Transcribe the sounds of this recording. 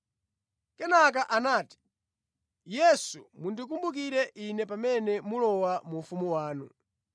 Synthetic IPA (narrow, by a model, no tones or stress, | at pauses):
kɛnak̬aʔanaːti̥ | jɛsumundik̬umbukiɾɛʔinɛpamɛnɛmulɔwamufumuwaːnu